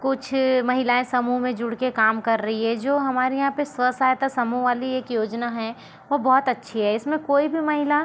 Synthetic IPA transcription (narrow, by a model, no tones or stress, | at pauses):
kʊt͡ʃʰmɐɦɪlaːẽsɐmuɦmẽd͡ʒʊɽkekaːmkɐɾːɐɦiɦɛd͡ʒoːɦɐmaːɾijɐɦãpeswəsaːjt̪asɐmuʋaːlieːkjoːd͡ʒnaɦɛ | ʋobɔːʊt̪ɐtːʃʰiɦɛɪsmẽkoːibʱimɐɦɪla